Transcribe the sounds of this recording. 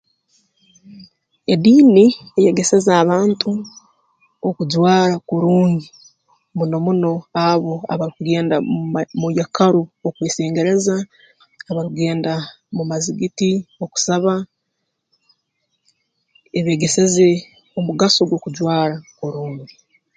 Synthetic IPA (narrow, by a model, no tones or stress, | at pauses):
ediːnieje̞ɡe̞se̞zaːβaːntʰu | okuɟwaːɾakoɾuːɲdi | muno̞muno̞aβo̞a̰βaɾikuɡe̞ːndamujakaɾuokweːseːŋɡe̞ɾe̞zaː | βaɾikuɡe̞ːnda | mumaziɡitio̞ku̥saβa | eβe̞ːɡe̞se̞ze̞ | omuɡaso̞ɡwo̞kuɟwaːɾakoɾuːɲdi